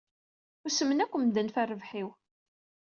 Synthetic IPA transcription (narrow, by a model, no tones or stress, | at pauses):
ʊsəmːənækʷːəmd̪ənfærːəvħiw